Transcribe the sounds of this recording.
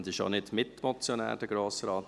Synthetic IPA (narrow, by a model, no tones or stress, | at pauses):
ndɪʃo̰nɪdmɪtmɔt͡sjonæ̰ːɾd̥əɡ̥ɾoːsɾɑːt